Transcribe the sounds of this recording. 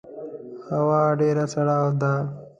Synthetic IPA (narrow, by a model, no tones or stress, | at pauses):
hɐwaːɖeːɾat͡sɐɽaːwd̪a